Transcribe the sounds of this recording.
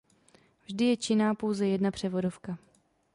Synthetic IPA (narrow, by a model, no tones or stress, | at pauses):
vʒdɪjɛt͡ʃɪnaːpo̞wzɛjɛdnapr̝̥ɛvo̞dofka